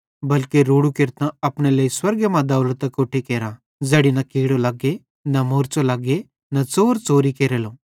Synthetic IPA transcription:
bɐlkeɾoːɽukeɾt̪ãɐpñeləiswɐɾɡjəmãd̪ɐwlot̪ɐkoːʈʰekeːɾã | d͡zɐɽinɐkiːɽolaːɡe | nɐmoːɾt͡solaːɡe | nɐt͡soːɾt͡soːɾikeːɾelo

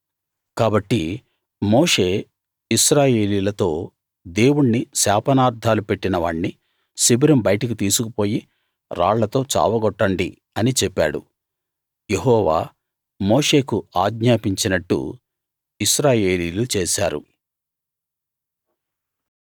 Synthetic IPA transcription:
kaːbɐʈːi | moːʂeː | isɾaːje̞ːliːlɐt̪o̞ː | d̪e̞ːwuɽnisaːpɐnaːɾd̪ʱaːlupe̞ʈːinɐʋaːɳni | sibɾɐmbɐjʈɐk̬it̪iːsukupo̞ːji | ɾa̰ːɭlɐt̪o̞ːt͡ʃa̰ːʋɐɡɔʈːɐɳɖḭ | ɐnit͡ʃɛpːa̰ːɽṵ | jeɦɔːʋa̰ː | moːʂe̞ːkuaːɡɲaːpiɲt͡ʃinɐʈːṵ | isɾaːje̞ːliːlut͡ʃeːsaːɾṵ

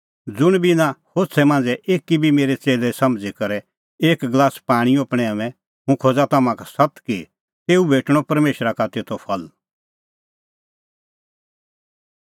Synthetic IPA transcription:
d͡zʊɽ̃bʱinãhoːsʰɛmãːnd͡zɛʔeːkːibʱimeːɾɛt͡seːlɛsɐmd͡zikɐɾɛ | eːkɡlaːspaːɽ̃iopɽ̃ɛamɛ̃ | ɦũkʰoːd͡zat̪amãkasɐt̪ki | eːubeːʈɽ̃ɔpɐɾmeːʃɾakat̪eːt̪opʰɐl

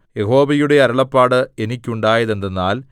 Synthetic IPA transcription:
jeɦo̞ːbɐjuɽe̞ɐɾɐɭɐpːaːɽɨenikʲːuɳɖaːjɐðe̞nd̪enːaːl

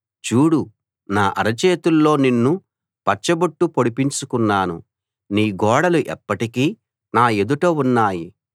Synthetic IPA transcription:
t͡ʃuːɽu | naːʔɐ̰ɾɐt͡ʃeːt̪ulːo̞ːninːu | pɐt͡ʃːɐbɐʈːupoɽipiɲt͡ʃukunːaːnṵ | niːɡɔːɽɐluʔɛpːɐʈikiː | naːed̪uʈo̞ːunːaːji

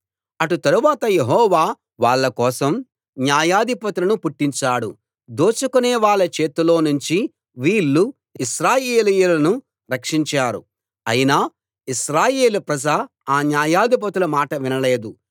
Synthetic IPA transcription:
ɐʈut̪ɐɾuʋaːt̪ɐje̞ɦɔːʋaː | ʋaːɭːɐkɔːsɐm | njaːjaːd̪ipɐt̪ulɐnupuʈːiɲt͡ʃaːɽṵ | d̪oːt͡ʃukuneːʋaːɭːɐt͡ʃe̞ːt̪ulo̞ːnuɲt͡ʃi | ʋiːɭːu | iʃɾaːjeːlijulɐnu | ɾɐkʂiɲt͡ʃaːɾṵ | ɐjinaː | iʃɾaːje̞ːlupɾɐd͡ʒɐ | aːnjaːjaːd̪ʱip̬ɐt̪ulɐmaːʈɐʋinɐle̞ːd̪u

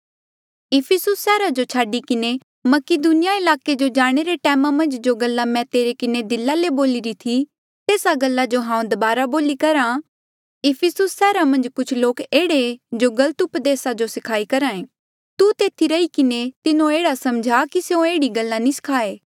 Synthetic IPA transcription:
ɪpʰɪsʊsːɛːɾad͡ʒot͡ʃʰaːɖikɪne | mɐkɪd̪ʊnɪjaɪlaːked͡ʒod͡ʒaːɽ̃eɾeʈɛːmãmɐ̃nd͡ʒd͡ʒoɡɐlːamɛ̃t̪eːɾekɪned̪ɪlːaleboːlɪɾit̪ʰi | t̪eːsaɡɐlːad͡ʒoɦãːũd̪ɐbaːɾaboːlikɐɾã | ɪpʰɪsʊsːɛːɾamɐ̃nd͡ʒkʊt͡ʃʰloːkeːɽed͡ʒoɡɐlət̪ʊpd̪eːsad͡ʒosɪkʰaːikɐɾãːẽː | t̪ut̪eːt̪ʰiɾɐikɪnet̪ɪnõeːɽasɐmd͡ʒʱakiseõeːɽiɡɐlːanĩsɪ̥kʰaːeː

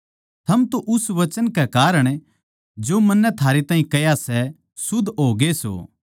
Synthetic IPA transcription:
t̪ʰɐmt̪õʔʊsʋɐt͡ʃənkɛkaːɾəɽ̃ | d͡ʒoːmɐnːɛt̪ʰaːɾet̪ãːɦĩkɐjasɛ | sʊd̪ʱɦoːɡeso̰ː

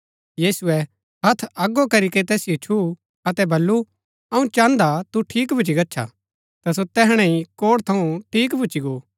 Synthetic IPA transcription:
jiːsʊɛ | ɦɐt̪ʰɐɡokɐɾiket̪ɛːsijot͡ʃʰu | ɐt̪ɛbɐlːu | ɐũt͡ʃãːnd̪at̪uʈʰiːkbʱʊt͡ʃiɡɐtːʃʰa̰ | t̪ɐs̬ot̪ɛːɦɽ̃ɛ̃ĩkoːɽt̪ʰɐũʈʰiːkbʱʊːt͡ʃiɡoː

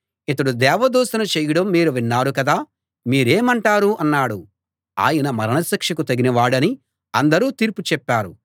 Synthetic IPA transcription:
it̪ɐɽud̪ɛːʋɐd̪uːsɐnɐt͡ʃɛːjɐɽɐmːiːɾuʋinːaːɾukɐd̪aː | miːɾeːmɐɳʈaːɾuʔɐnːaːɽu | a̰ːjɐnɐmɐɾɐɳɐsɐkʂɐkut̪ɐɡinɐʋaːɽɐni | ɐnd̪ɐɾuːt̪iːɾput͡ʃɛpːaːɾu

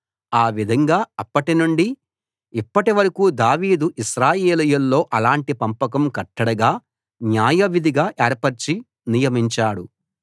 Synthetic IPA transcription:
aːʋid̪ʱɐŋɡaːɐpːɐʈinuɳɖi | ipːɐʈiʋɐɾɐkuːd̪aːʋiːd̪uʔiʃɾaːjeːlijulːo̞ːʔɐlaːɳʈipɐmpɐkɐmkɐʈːɐɽɐɡaː | njaːjɐʋid̪ʱiɡaːʔeːɾpɐɾt͡ʃi | nijɐmiɲt͡ʃaːɽu

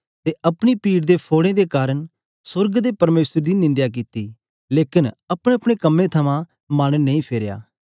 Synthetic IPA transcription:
t̪eʔɐpɽ̃ipiːɽd̪epʰoːɽẽd̪ekaːɾəɳ | sʊɾɡd̪epɐɾmeːsəɾd̪inɪ̃nd̪jak̬ɪt̪i | leːkɪnɐpɽ̃eɐpɽ̃ekɐmːẽt̪ʰɐmã | maɽ̃neĩpʰeːɾja̰ː

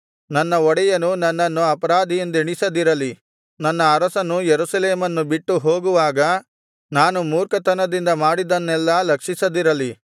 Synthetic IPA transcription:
nɐnːɐɔɽɛjɐnunɐnːɐnːuɐpɐɾaːd̪ʱijɐnd̪iɳisɐd̪iɾɐli | nɐnːɐːɾɐsɐnujeɾusɐleːmɐnːubiʈːuɦoːɡuʋaːɡɐ | naːnumuːɾkɐt̪ɐnɐd̪ind̪ɐmaːɽid̪ɐnːɛlːɐlɐkʂisɐd̪iɾɐli

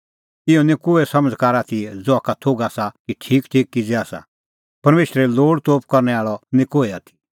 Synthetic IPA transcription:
ɪɔnekoːɛsɐməd͡zkaːɾaːt̪ʰid͡zoaːkat̪ʰoːɡaːsakiʈʰiːkʈʰiːkːid͡zɛaːsa̰ | pɐɾmeːʃɾɛloːɽt̪oːp̚kɐɾnɛaːɭɔnɪkoːɛaːt̪ʰi̥

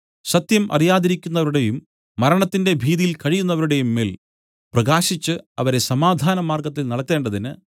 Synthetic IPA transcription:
sɐt̪jɐmʔɐ̰rijaːðiɾikʲːunːɐʋɐɾuɽe̞jumː | ɐɾɐɳɐt̪ːinde̞bʱiːðijilkɐɻijunːɐʋɐɾuɽe̞jumːeːl | prɐɡaːɕit͡ɕːɨɐʋɐɾe̞sɐmaːd̪ʱaːnɐmaːrɡɐt̪̬ːilnɐɽɐk̪ːe̞ːɳɖɐðinɨ

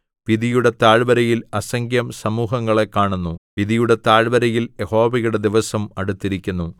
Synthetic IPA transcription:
ʋiðijuɽe̞t̪aːɻbɐɾɐjilɐsɐŋɡjɐmsɐmuːɦɐŋːɐɭe̞kːaːɳunːuʋiðijuɽe̞t̪aːɻbɐɾɐjiljeho̞ːʋɐjuɽe̞d̪iʋɐsɐmɐɽut̪ːiɾikʲːunːu

